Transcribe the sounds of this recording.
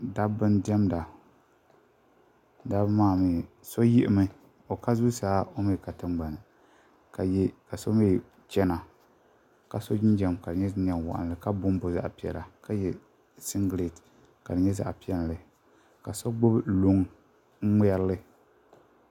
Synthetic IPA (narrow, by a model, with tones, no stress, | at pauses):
da˦bɨ˦ndɛ˦mda˨ | da˦bmaː˦˨mi˨ | so˦jɪ˦ʔɪ˦mɨ˦ | o˨ka˦zu˦saː˦o˦mi˦˨ka˨tɨ˦m˦ɡ͡ba˨nɨ˨ | ka˨jka˨so˦mi˦˨ | t͡ʃɛ˦na˨ | ka˨so˦d͡ʒi˦n˦d͡ʒɛ˨mka˨dɨ˨ɲɛ˦n˨ɛ˨ŋ˨wa̰˨ʔa̰˨nɨ˨lɨ˨ka˦bʊ˦m˦bʊ˨za̰˦ʔpi˨ɛ̰˨la˨ka˦jɛ˦ | si˦ŋɡle˨t | ka˨dɨ˨ɲɛ˦za̰˨ʔpi˦ɛ˦llɨ˨ | ka˨so˦ɡ͡bʊ˦blʊ˦ŋ̩˦ | mi˦ɛ˦ɾlɨ˦